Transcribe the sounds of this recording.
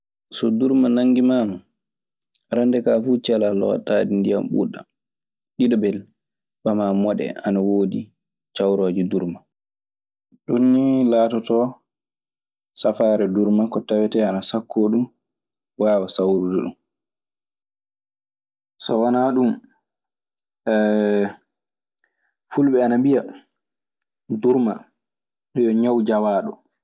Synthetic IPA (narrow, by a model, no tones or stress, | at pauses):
sɔduɾmanaŋɡimaːma | ɾandɛkaːfut͡ʃɛlalɔ̰taːdindija̰mɓṵɗa̰ | ɗiɗɔbɛl | ɓamamɔɗɛ̰anawoːdi | t͡ʃawɾoːd͡ʒiduɾma | ɗunːilaːtɔtɔ | safaɾɛduɾmakɔtawɛtɛanasakʰːoːɗum | waːwasawɾuduɗṵm | sɔ̰wanaɗum | ɛ | fulɓɛanambija | duɾma̰ | ɗɛjɔɲawd͡ʒawaːɗɔ